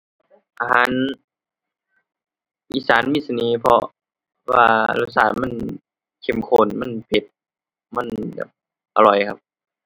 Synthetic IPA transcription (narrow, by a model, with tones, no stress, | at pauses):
ʔa˧ɦaː˨˦n | ʔiː˧˥saː˨˦nmiː˧˩sa˧neː˧˦pʰɔ˧ | wa̰ː˧la˧˩˦sa̰ː˨˦ma˧˥˨n | kʰe˧˩˨mkʰoː˧˩˨nma˧˥˨npʰe˧˦t̪̚ | ma˧˥˨nbɛ̰ː˨˩p̚ | ʔa˧lɔ˨˩jkʰa˧p̚